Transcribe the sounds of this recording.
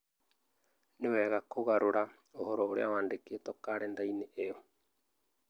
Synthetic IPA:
newɛːɣakoɣaɾoɾa | ohɔɾɔːɾḛawaːndeketɔkaːɾend̪aineʔeɔ

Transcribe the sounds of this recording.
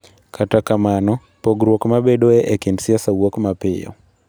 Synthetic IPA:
kʰatakamanɔ | poɡɾwokmabedoeʔekɪndsɪasawokmapɪ̰jɔ̰

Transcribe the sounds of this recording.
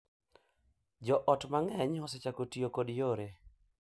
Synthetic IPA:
d͡ʒɔʔɔtmaŋɛɲɔset͡ʃakotijokodjoɾe

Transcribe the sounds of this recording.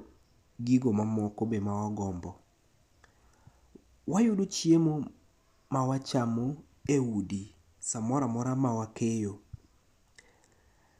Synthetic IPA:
ɡiɡomamɔkobemawaɡɔmbɔ | wajʊdut͡ʃjemo | mawat͡ʃamo | eudi | samɔɾamɔɾamawakʰejo

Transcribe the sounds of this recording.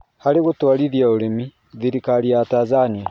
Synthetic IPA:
haleɣutwaliðjaoɾemi | ðiɾikaliatazania

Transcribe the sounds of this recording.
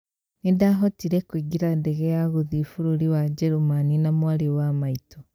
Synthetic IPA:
nindaɦotiɾekwiːɡiɾandeɣejaɣuðifuɾuɾiwad͡ʒeɾumaninamwaɾiwamaito

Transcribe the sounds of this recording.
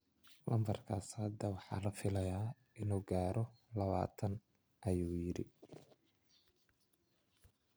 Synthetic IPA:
lɐmbɐrkʰaːshɐd̪ɐwɑħɑ̰ːlɐfɪlɐjaː | ʔɪnuːɡaːɾɔlɐβa̰ːt̪ʰɐn | ʔɐjuːjɪɾɪ̰

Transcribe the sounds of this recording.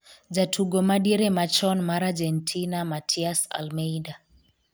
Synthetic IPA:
d͡ʒatʰuɡɔmaɗiɾɛmat͡ʃɔnmaɾad͡ʒɛntʰinamatʰiasa̰lmɛida

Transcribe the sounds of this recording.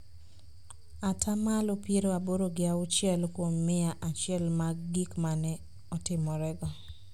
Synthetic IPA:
atʰamalopjeɾoaboɾoɡɪaʊt͡ʃjɛlkwomːɪaʔat͡ʃjɛlmaɡikmanɛ | ɔtɪmɔɾɛɡɔ

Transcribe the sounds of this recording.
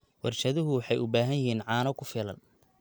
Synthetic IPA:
wɑrʃɐðʊɦʊwɑħɑjʊbaːɦɐjɪhiːnʕɑːnɔkʰʊfɪlɐ̰n

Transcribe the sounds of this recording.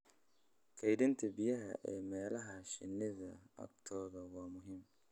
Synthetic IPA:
kʰɛjdɪnt̪ʰɐbɪjɐɦɐ̰ʔɛːmɛːlɐɦɐʃɪnɪðɐɐ̰ɡt̪ʰɔːðɐwɑːmʊɦɪm

